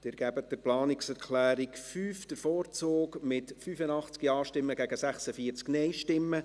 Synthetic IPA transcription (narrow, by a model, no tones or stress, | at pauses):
d̥ɪɾɡ̥æbət̚dəɾplɑːnɪksɛɾkʰlæːɾikfyːfd̥əɾfɔːrt͡soːkmɪtfyfənɑχt͡skiɑːʃtɪmːəɡæɡəsæχsəfiːəɾt͡sknɛjʃtɪmːə